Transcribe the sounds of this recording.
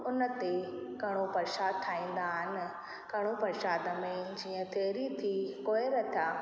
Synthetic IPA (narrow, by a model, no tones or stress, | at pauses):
ʊnə̆t̪e | kɐɽ̃opɐɾʃaːd̪̚t̪ʰːaːĩːn̆d̪aːɦɪnɪ̆ | kɐɽ̃opɐɾʃaːd̪əmẽd͡ʑiːə̃t̪ʰeːɾit̪ʰikoːeɾɐt̪ʰjaː